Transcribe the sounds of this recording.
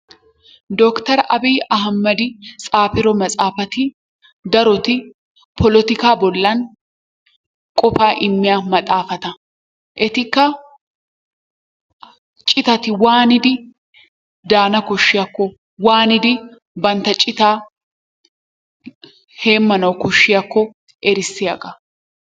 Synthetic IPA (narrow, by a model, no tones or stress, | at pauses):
d̪ɔkt̪ɐɾʔɐbiːʔɐɦɐmːɐd̪ɪt͡sʼaːfɪɾɔmɐt͡sʼaːfɐt̪ɪ | d̪ɐɾɔt̪ɪ | pʰɔlɔt̪ɪkaːbɔlːɐn | kʼɔfaːʔɪmːɪjaːmɐt̪ʼaːfɐt̪ɐ | ʔɛt̪ɪkːɐ | t͡ʃʼɪt̪ɐt̪ɪwaːnɪd̪ɪ | d̪aːnɐkɔʃːɪjɐkːɔ | waːnɪd̪ɪ | bɐnt̪ːɐt͡ʃʼɪt̪aː | he̞ːmːɐnɐwkɔʃːɪjakːɔ | ʔɛɾɪsːɪjaɡɐ